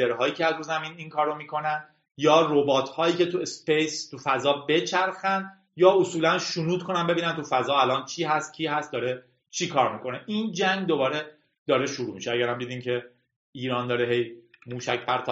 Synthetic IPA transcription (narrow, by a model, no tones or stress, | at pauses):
eɾɦɒːjiːcʰeæzɾuːzæmiːninkʰɒːɾomiːkʰo̞nænd̪ | jɒːrobɒːt̪ʰhɒːjiːcʰe̞t̪ʰuespejst̪ʰufæzɒːbe̞t͡ʃʰæɾxænd̪ | jɒːosuːlænʃunuːd̪̥kʰo̞nænbe̞biːnænt̪ufæzɒːælɒːnt͡ʃʰiːɦæst̪̚cʰiːɦæst̪̚d̪ɒːɾe | t͡ʃʰiːkʰɒːɾmikʰo̞neʔiːnd͡ʒæŋɡd̪o̞bɒːɾe | d̪̥ɒːɾeʃuɾuːmiʃeæɟæɾæmd̪iːd̪iːmcʰe̞ | iːɾɒːnd̪ɒːɾeɦe̞jmuːʃæcpʰæɾt̪ʰɒ